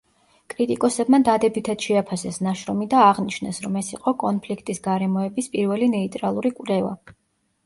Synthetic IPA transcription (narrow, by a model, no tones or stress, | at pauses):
kʼɾit̪ʼikʼɔsɛbmad̪ad̪ɛbit̪ʰad̪̥ʃɛapʰasɛsnaʃɾɔmid̪aːʁniʃnɛsɾɔmɛsiqʼɔkʼɔnpʰlikʰt̪ʼisɡaɾɛmɔɛbispʼiɾvɛlinɛit̪ʼɾalˠuɾikʼuɾɛva̰